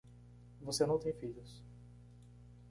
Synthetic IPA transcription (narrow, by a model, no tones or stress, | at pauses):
vosenɐ̃w̃t̪ẽj̃fiʎʊs